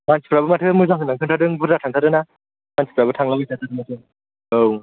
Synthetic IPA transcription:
mansi̥pʰɾabɯmatʰɯmɯzaŋɦɯnaŋtʰɯntʰadɯŋbuatʰaŋtʰaɾɯna | mansi̥pʰɾabɯtʰaŋlabɯjsatʰadʰɯmatʰɯ | ow

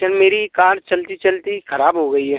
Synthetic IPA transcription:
ənmeːɾikaːɾt͡ʃɐlt̪it͡ʃɐlt̪ixɐɾaːbɦoɡɐiɦɛː

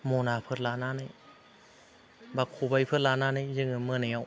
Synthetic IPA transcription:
moːnaːpʰɯt̪̚laːnaːna | bakʰuːbajpʰɯt̚laːnaːnazɯŋɯmɯnaaw

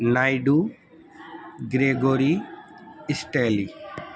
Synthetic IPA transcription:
najɖu | ɡɾeːɡoːɾi | ɪsʈeːli

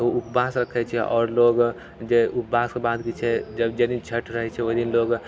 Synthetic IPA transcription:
oupbasɾəkʰːɛt͡ʃʰɛʔɔ̰ːɾloɡ | d͡ʒeupbaskebad̪kit͡ʃʰɛd͡ʒəbd͡ʒed̪int͡ʃʰəʈʰɾəɦɛt͡ʃʰɛoɦd̪inloɡ

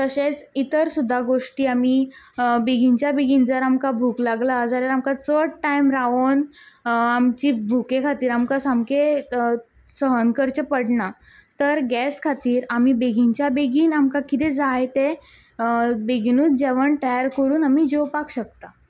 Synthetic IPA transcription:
t̪əɕẽt͡sit̪əɾsud̪ʱːaɡoʂʈiːamiː | beɡʱiɲt͡ɕjabeɡiːnd͡zəɾamkabʱuklaɡlad͡zaɾjaamkat͡səʈʈajmɾaon | amt͡ɕiːbʱukekʰat̪iːɾamkasamke | səɦənkəɾt͡ɕepəɽɳa | t̪əɾɡɛskʰat̪iːɾam̤iːbeɡʱiɲt͡ɕjabeɡiːnamkakit̪̬ẽd͡zaɦet̪e | beɡinuːt͡sd͡ʑɛʋəɳʈəjaɾkəɾuːnamiːd͡ʑowpakɕəkt̪a

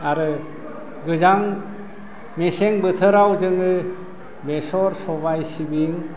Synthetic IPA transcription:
aɾɯ | ɡɯzaŋ | meseŋbɯt̪ʰɯɾawzɯŋɯ | besɔɾsɔbajsibiŋ

